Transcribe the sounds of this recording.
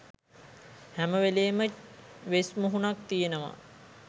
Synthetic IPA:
hæməʋeleːməʋesmuɦunak̚t̪ijenəʋa̰

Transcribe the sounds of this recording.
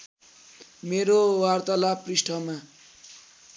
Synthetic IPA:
meɾowart̪ʌlaprisʈʰʌma

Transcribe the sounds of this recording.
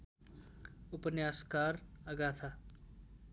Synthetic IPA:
ʊpənjaːskaːɾɐɡaːt̪ʰa

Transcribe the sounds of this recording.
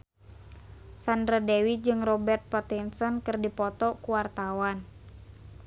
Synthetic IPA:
sandɾadewit̪̚d͡ʒɨŋrɔbɛrt̪̚pɔt̪insɔnkɨrdipɔt̪ɔkuwart̪awan

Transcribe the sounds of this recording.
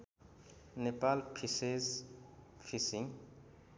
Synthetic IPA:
nepalpʰisez | fisĩŋ

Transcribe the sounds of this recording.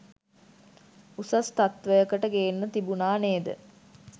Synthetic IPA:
usast̪at̪ʋəjəkəʈəɡeːnːət̪ibunaːneːd̪ə̰

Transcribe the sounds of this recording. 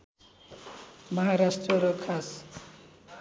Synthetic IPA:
mʌɦaɾasʈrʌɾʌkʰas

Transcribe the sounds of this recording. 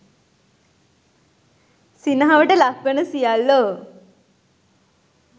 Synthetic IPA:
sinəɦaʋəʈəlakʋənəsijalːo

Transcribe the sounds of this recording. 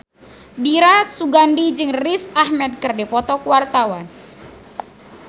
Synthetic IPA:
biɾasuɡandid͡ʒɨŋrisahmɛd̪̚kɨrdepɔt̪ɔkuwart̪awan

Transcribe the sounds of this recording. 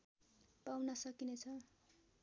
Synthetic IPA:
pawnʌsʌkinet͡sʰʌ

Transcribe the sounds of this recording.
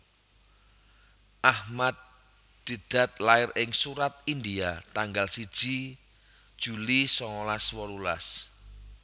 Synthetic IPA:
ʔahmad̪̚ | d̪̥i̤d̪̥a̤t̪̚laɪrɪŋsuɾat̪̚ind̪iat̪aŋɡalsid̥ʒ̥i | d̥ʒ̥ulisɔŋɔlaswɔlula̰s

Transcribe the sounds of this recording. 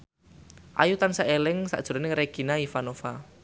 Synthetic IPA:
ʔa̰jut̪ansaʔelɪŋsa̰ʔd̥ʒ̥ṳɾɔnɪŋɾeɡ̥i̤naifanofa

